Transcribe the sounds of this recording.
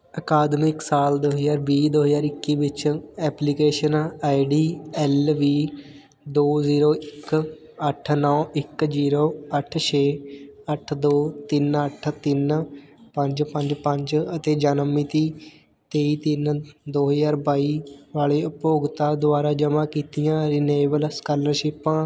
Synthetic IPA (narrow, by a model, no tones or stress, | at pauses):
əkaːd̪mɪksaːld̪oːɦəzaːɾbiːd̪oːɦəzaːɾɪkːiːbɪt͡ʃɛːplikeːʃənaːiɖiːɛːlʋiː | d̪oːziːɾoːɪk | əʈʰnɔ̃ːʔɪkziːɾoːəʈʰt͡ʃʰeːəʈʰd̪oːt̪ɪnəʈʰt̪ɪnpə̃ɲd͡ʒpə̃ɲd͡ʒpəɲd͡ʒət̪eːd͡ʒaːnəmːiːt̪iː | t̪eːiːt̪ɪnd̪oːɦəzaːɾbaːiːʋaːleːʊpoːɡt̪aːd̪ʊaːɾaːd͡ʒəmãːkiːt̪ijãːɾiːneːʋəlskaːləɾʃɪpãː